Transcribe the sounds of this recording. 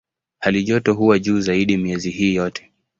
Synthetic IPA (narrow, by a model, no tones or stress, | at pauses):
haliʄɔtɔɦuwaʄuːzaiɗimiɛziɦiːjɔtʰɛ̥